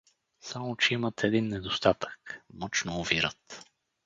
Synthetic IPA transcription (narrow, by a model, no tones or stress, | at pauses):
samot͡ʃɛimət̪ɛd̪inːɛd̪ost̪at̪ə̥kmɔt͡ʃnoːviɾət̪